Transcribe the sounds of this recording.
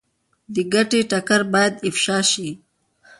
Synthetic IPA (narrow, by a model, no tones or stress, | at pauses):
d̪əɡaʈeʈakaɾbɑjad̪ɪfʃɑʃi